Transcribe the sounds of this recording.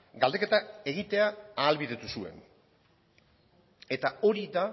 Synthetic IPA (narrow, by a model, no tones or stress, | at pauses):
ɡald̪e̞ke̞t̪ae̞ɣit̪e̞aaːlβiðe̞t̪usue̞̰n | e̞t̪ao̞ɾiða